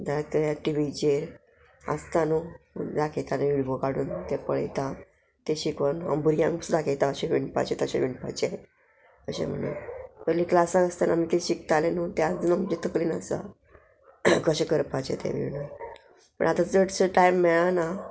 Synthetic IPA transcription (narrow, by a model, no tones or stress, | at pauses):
d̪akəaʈiʋid͡ʑeɾ | ə̰st̪anod̪akʰet̪aneʋiɽʋokaɽuːnt̪ɛpəɭḛt̪a | t̪eɕikʋəna̰mbuɾijãŋsud̪akʰet̪aəɕeʋiɳpa̰t͡ɕet̪əɕḛʋiɳpat͡ɕe | əɕḛ̃m̤ə̰ɽṵːnkəliklasakəst̪anamit̪eɕik̚t̪alenot̪ad͡zunamd͡ʑet̪əkliːna̰sa̰ | ɡəɕekəɾpat͡ɕḛt̪ḛʋḭʋnə | pə̰ɳat̪ad͡zəʈsəʈajmːɛɭana